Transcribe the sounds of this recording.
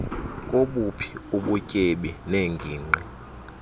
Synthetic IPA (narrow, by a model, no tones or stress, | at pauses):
kʼoɓupʰi̥uɓucʼeɓɛneŋɡʱiːŋ͡ǃɛ